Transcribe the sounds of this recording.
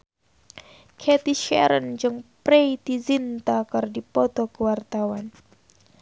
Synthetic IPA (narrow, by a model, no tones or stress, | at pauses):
kʰɛt̪iʃɛ̰ɾənd͡ʒɨŋpɾeit̪izint̪akərdipɔt̪okəwart̪awan